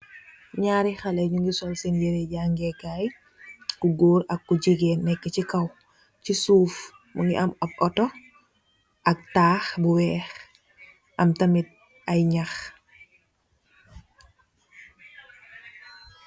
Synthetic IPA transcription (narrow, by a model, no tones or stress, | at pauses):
ɲaːɾixalɐɲuŋɡisɔlsɛnjɛɾɛɟaːŋɡɛkaːj | kuɡuːɾɐkːuɟiɡɛnːɛkːɛcikɐw | cisuːf | mʔuŋɡiʔɐmɔp̚ɔtɔ | ʔɐk̚taːxbuwɛːx | ʔɐmtɐmit̚ | ʔɐjɲax